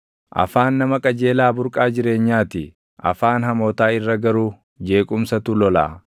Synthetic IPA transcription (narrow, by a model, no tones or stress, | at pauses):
ʔɐ̰faːnːɐmɐkʼɐd͡ʒe̞ːlaːbʊɾkʼaːd͡ʒɪɾe̞ːɲːaːt̪ɪ | ʔɐ̰faːnɦɐmoːt̪aːɪrːɐɡɐɾuː | d͡ʒe̞ːkʼʊmsɐt̪ulɔla̰ː